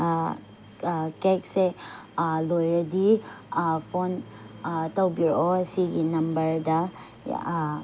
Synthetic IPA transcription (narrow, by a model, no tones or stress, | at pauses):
kek̚se | lojɾɐdi | pʰon | tɐwbiɾɔɐsiɡinɐmbɐɾdɐ̰